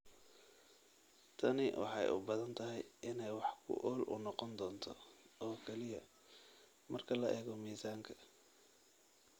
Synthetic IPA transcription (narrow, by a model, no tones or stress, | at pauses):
t̪ʰɐnɪwʔɑ̰ħɑjʔʊ̰bɐðɐnt̪ʰɐɦɛjʔɪnɛjwɑħkʰʊ̰ʔɔːlʔʊ̰nɔqɔnd̪ɔːnt̪ʰɔɔːkʰɛlɪjɐ | mɐrkʰɐlɐʔɛːɣɔmiːsaːŋkʰɐ̥